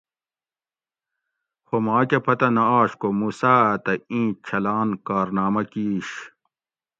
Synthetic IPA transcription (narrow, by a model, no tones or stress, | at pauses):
xomaːkɐpʰɐt̪ɐnɐaːɕkomuːsaːt̪ɐĩːt͡ɕʰɐlaːnkaːɾnaːmɐkiːɕ